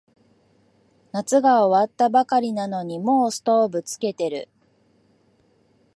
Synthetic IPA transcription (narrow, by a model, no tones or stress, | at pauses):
nat͡sɨɡao̞βat̪ːabakaɾʲinano̞ɲ̟imo̞ːsɨ̥t̪o̞ːbɯ̟t͡sɨ̥ke̞t̪e̞ɾɯ̟̰